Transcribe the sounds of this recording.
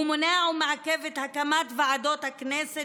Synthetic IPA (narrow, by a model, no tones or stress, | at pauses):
moneaumeʕakevet̪hakamat̪vaʕad̪ot̪haknɛse